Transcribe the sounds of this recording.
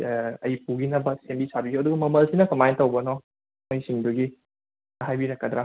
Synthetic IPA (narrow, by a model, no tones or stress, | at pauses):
ɐjpuɡinɐbɐsembisabizoɐduɡɐmɐmɐlsinɐkɐmajntɐwbɐnɔ | mojsiŋduɡi | aɦajbinɐkadɾa